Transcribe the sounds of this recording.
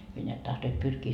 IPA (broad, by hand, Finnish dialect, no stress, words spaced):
hyø neæt tɑhtoit pyrkiː